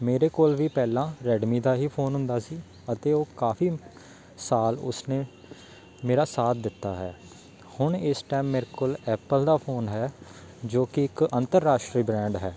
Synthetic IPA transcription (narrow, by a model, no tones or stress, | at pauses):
meːɾeːkoːlʋiːpɛːlãːɾɛːɖmiːd̪aːɦiːpʰoːnɦʊ̃nd̪aːsiː | ət̪eːoːkaːfʰiː | saːlʊ̰sneː | meːɾaːsaːt̪̚ʰd̪ɪt̪ːa̰ːɦɛ̰ː | hʊɳɪsʈɛːmːeːɾekoːlɛːpəld̪aːpʰoːnɦɛː | d͡ʒoːkɪɪkənt̪əɾːaːʃʈɾiːbɾɛ̃ːɳɖɦɛː